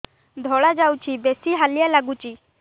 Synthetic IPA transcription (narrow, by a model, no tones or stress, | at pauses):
d̪ʱɔɭad͡zawt͡ɕiːbɛsiːɦalijalaɡut͡ɕiː